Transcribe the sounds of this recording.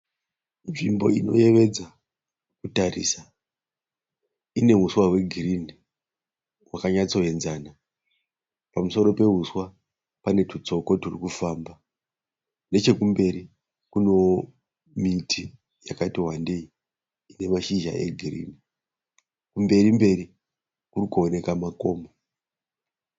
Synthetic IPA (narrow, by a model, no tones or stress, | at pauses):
nʐimbo̞ino̞̰je̞ʋe̞d͡za | kutarḭsa | ine̞ɦuswaɦwe̞ɡʱirini | ɦwakaɲat͡so̞ɦe̞nzaːna | pamuso̞ɾo̞pe̞ɦuswa | pane̞tut͡so̞ko̞tirikufaːmba | ne̞t͡ʃe̞kumbe̞ɾi | kuno̞ | mitʰi | jakatiɦwandei | ine̞maʃiʒa̰ʔe̞̰ɡʱirḭːni | kumbe̞ɾimbe̞ɾi | kurikuone̞kamako̞ːmo